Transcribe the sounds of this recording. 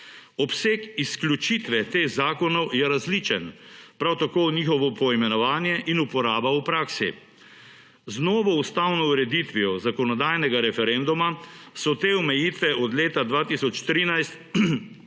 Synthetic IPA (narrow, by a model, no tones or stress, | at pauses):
ɔpseːkisklʲjut͡ʃit̪ʋɛt̪eːxzaːkɔnɔwjɛɾazliːt͡ʃɛnpɾawt̪akoniːxɔʋɔpɔimɛnɔʋaːnjɛʔinupɔɾaːbaupɾaːksḭ | znɔːʋɔust̪awnɔwɾɛd̪it̪ʋiɔzakɔnɔd̪ajnɛɡaɾɛfɛɾɛnd̪umasɔt̪eːɔmɛjiːt̪ʋɛɔd̪leːt̪ad̪ʋaːt̪isɔt͡ʃt̪ɾiːnajst̪